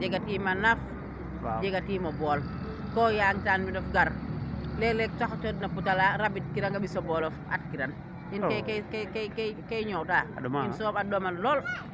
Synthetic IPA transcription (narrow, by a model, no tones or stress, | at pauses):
d͡ʒɛɡatiːmanaf | wd͡ʒɛɡatiːmɐbɔːl | kɔːjaːŋtanmidɔfɡaɾlɛlɛk̚taxt͡ʃɔdnaputalaɾabit̚kiɾaŋɡabisɔbɔːlɔfa̰t̚kiɾan | inkkkkkɛɲɔwtainsɔmadɔmanlɔːl